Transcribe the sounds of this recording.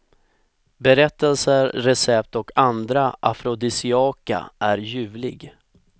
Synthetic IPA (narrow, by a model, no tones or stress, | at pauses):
bɛɾɛt̪ːɛlsəɾɾɛsɛp̚t̪ɔkʰand̪ɾaʔa̰fɾɔd̪ɪsɪɑːka̰ʔæɾjʉ̟ːvlɪɡ